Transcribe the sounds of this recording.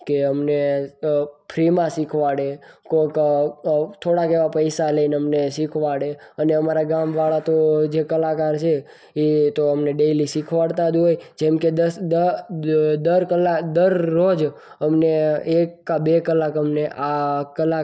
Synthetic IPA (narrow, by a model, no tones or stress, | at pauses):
keəmne | pʰɾimãsikʰʋaɽekok | t̪ʰoɽakeʋapəjsaləinəmnesikʰʋaɽeəneəmaɾaɡamʋaɭat̪od͡ʒekəlakaɾt͡ʃʰe | et̪oəmneɖelisikʰʋaɽt̪ad͡ʒ̪ɦojd͡ʒɛmked̪əd̪ə | d̪əɾkəlːakd̪əɾːod͡ʒ | əmneekːabekəlːakəmneʔakəla